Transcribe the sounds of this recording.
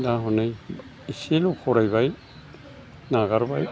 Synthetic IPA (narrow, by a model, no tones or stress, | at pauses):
daɦɔnej | iselukʰɔɾajbaj | naɡaɾbaj